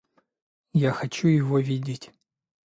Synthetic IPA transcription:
jaxɐt͡ɕujɪvovʲidʲɪtʲ

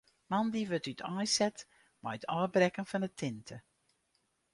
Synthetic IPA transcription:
mandiʋøtytʰɔjsɛt | majətʰɔːbrɛkənfɔndətʰɪntʰə

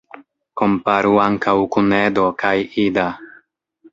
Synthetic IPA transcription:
ko̞mpaɾuaŋkawkuned̪o̞kajid̪a

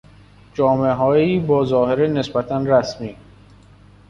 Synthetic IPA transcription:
d͡ʒɒːmeɦɒːeiːbɒːzɒːheɾene̞sbæt̪ʰænɾæsmiː

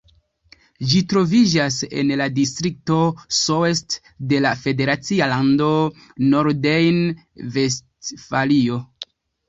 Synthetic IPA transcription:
d͡ʒitɾo̞vid͡ʒase̞̰nladistɾik̚to̞soest | de̞lafe̞de̞ɾat͡sialando̞ | noɾdejn | ve̞stfalio̞

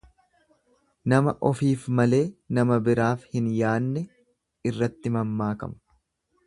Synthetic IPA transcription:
nɐmɐʔɔfiːfmɐle̞ːnɐmɐbɪɾaːfhɪnjaːnːɛ | ɪrːɐt̪ːɪmɐmːaːkɐ̰mʊ̥

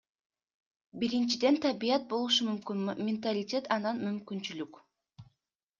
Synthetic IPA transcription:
biɾint͡ʃid̪e̞nt̪ʰɑbijɑt̪̚bo̞lˠuʃumymkynmʲɪnt̪alʲɪtʲe̞t̪ɑnɑnmymkynt͡ʃylyk

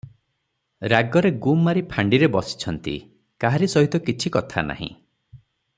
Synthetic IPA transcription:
ɾaɡɔɾeɡumːaɾipʰaɳɖiɾebɔsi̥t͡ʃʰɔnt̪ḭ | kaɦaɾisɔɦit̪ɔkit͡ʃʰikɔt̪ʰa̰na̰ɦḭ̃

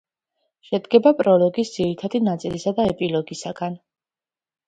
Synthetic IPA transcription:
ʃɛd̪ɡɛbapʼɾɔlɔɡisd̪z̥iɾit̪ʰad̪inat̪sʼilisad̪aɛpʼilɔɡisaɡan

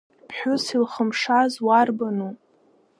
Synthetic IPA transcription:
pʰħʷᶣʊsilχəmʂazwarbanu

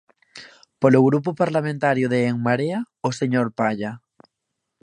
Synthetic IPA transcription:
poloɣɾup̬ʊpaɾlamẽnt̪aɾjʊðeːŋmaɾea | oseɲoɾpaʎa

